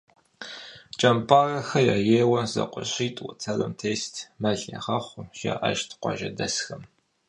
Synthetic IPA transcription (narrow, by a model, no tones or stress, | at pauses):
t͡ʃʼɐmpʼaːrɐxɐjaːjeːwɐzɐ̰qʷʊ̰ɕʼiːtʼwɐt͡sʰɐrɐmtʰeːstʰmɐɮɐ̰ʁɐχʷʊʒa̰ʔɐ̰ʃtʰqʷɑ̰ʒɐdɐsxɐm